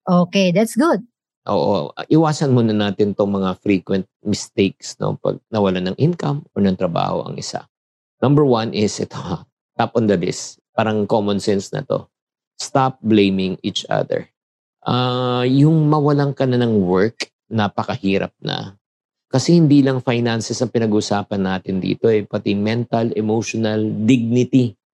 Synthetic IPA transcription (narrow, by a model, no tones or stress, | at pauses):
ʔoːked̪at̪sɡʊd̪̚ | ʔo̰ːʔo̰ɐ̰ʔɪwaːsɐnmunɐnaːt̪ɪnt̪oŋmɐŋafɾiːkwɛnt̪̚mɪst̪ejk̚sno̞̰pɐ̰ɡ̚nɐwɐlanɐŋʔɪnkɐmoɹnɐŋt̪ɾɐba̰ːho̞̰ʔɐ̰ŋʔɪsa̰ | nɐ̃mbɛɹwɐnʔɪsʔɛt̪ʰo | t̪apɔnd̪ɐlɪ̰s | paːɾɐŋkomɔnsɛnsnɐ̰t̪o̞̰ | st̪ap̚blẽjmɪŋit͡ʃʔɐ̰d̪ɛ̰ɹ | ʔajʊŋmɐwɐlaŋkɐnanɐŋwɛɹk | nɐpɐkɐhiːɾɐ̰p̚nɐ̰ | kɐsɛhɪnd̪iːlɐŋfajnansɛsɐŋpɪnɐɡuːʔʊsaːpɐnːaːt̪ɪnd̪ḭːt̪o̞ʔɛpɐt̪imɛnt̪ɐlɛmowʃonɐld̪ɪɡ̚nɪt̪i